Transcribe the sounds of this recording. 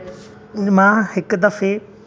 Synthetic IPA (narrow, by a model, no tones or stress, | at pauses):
mãːhɪkd̪ɐfe